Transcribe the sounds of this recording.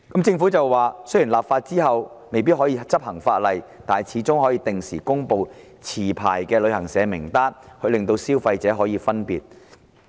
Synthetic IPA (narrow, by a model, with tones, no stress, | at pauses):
kɐ˨˥mt͡sɪ˧ŋfu˨˥t͡sɐ˨wːaː˨˩sɵ˥ɥjiː˨˩laː˨pfaː˧t̚t͡siː˥ɦɐ˨wme˨jpi˥t̚ɦɔː˨˥jiː˧t͡sɐ˥p̚hɐ˨˩ŋfaː˧t̚lɐ˨jt̪aː˨n˨jt͡sʰiː˨˥t͡sʊ˥ŋɦɔː˨˥jiː˧t̪ɪ˨ŋsiː˨˩kʊ˥ŋpo˨˧w | t͡sʰiː˨˩pʰa̰ː˨˩jkɛː˧lɵ˨˧ɥhɐ˨˩ŋsɛː˨˧mɪ˨˩ŋt̪aː˥nhʰɵ˨˧ɥlɪ˨ŋt̪o˧wsiː˥wfɐ˧jt͡sɛː˨˥ɦɔː˨˥jiː˨˧fɐ˥npiː˨t̚